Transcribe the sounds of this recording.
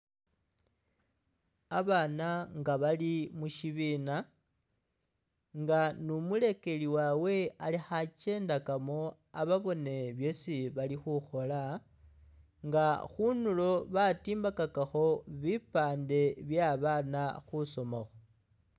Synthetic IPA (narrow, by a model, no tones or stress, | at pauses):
aβaːnaŋɡaβalimuʃiβiːna | ŋɡanumule̞ke̞liwawe̞alixat͡ʃe̞ːndakamo̞ | a̰βaβo̞ne̞βje̞siβalixuxo̞la | ŋɡaxunulo̞βatiːmbakakaxo̞βipaːnde̞βjaβanaxuso̞moxo